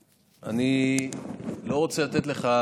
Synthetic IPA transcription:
ani | lo̞ʁot͡selat̪et̪leχa

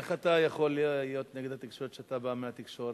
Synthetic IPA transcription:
eχat̪ajaχo̞lːijo̞t̪neɡed̪hat̪ikʃo̞ɾet̪ʃeat̪abameat̪ikʃo̞ɾe

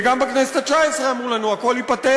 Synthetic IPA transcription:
ɡambaknɛst̪at͡ʃajsɾamulɛnuakolipat̪ɛ

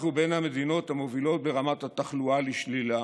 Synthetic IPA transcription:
χube̞nhame̞d̪ino̞thamo̞vilo̞t̪̚beʁamat̪hat̪aχlualiʃlila

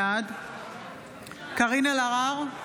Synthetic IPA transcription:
ad̪ | kaʁinalaʁaʁ

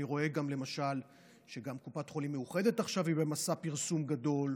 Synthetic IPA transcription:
iʁo̞e̞ɡamlemaʃal | ʃe̞ɡamkupatχo̞limːeuχe̞de̞taχʃavibe̞masapiʁsumɡado̞l

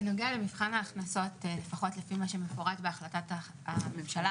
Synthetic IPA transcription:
no̞ɡeale̞mivχanaːχnaso̞tlefaχo̞tlefimaʃe̞me̞foʁatbeaχlatata | amemʃala

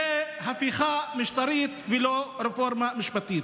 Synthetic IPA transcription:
e | hafiχamiʃt̪aɾit̪vɛloɾefoɾmamiʃpat̪it̪

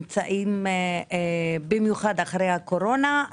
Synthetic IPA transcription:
mt͡saʔim | bimjuχad̪aχaɾejako̞ɾo̞na

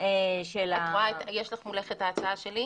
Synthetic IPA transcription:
ʃelatʁaet̪jeʃlaχmuleχet̪aːt͡saaʃeli

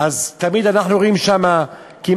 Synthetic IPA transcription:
ʔazt̪amid̪anaχnuʁoimʃama | kim

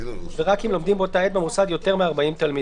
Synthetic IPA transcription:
veʁakimlo̞md̪imbot̪aet̪̚bemusad̪jo̞t̪e̞ʁmeaʁbaimt̪almi

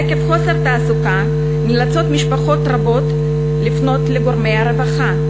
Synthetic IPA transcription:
ekefχo̞seʁt̪aːsuka | nilat͡so̞t̪miʃpaχo̞t̪ʁabo̞t̪ | lifno̞t̪leɡo̞ʁmejaɾevaχa

